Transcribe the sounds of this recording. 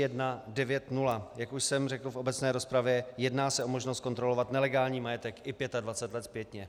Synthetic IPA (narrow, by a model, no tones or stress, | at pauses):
jɛdnadɛvjɛt̪nulajakuʃsɛmr̝ɛkl̩fʔo̞bɛt͡snɛːɾo̞spɾavjɛjɛdnaːsɛʔo̞moʒnost̪̚ko̞nt̪ɾo̞lo̞vat̪nɛlɛɡaːlɲiːmajɛt̪ɛkɪpjɛt̪advat͡sɛt̪lɛt̪pjɛt̪ɲɛ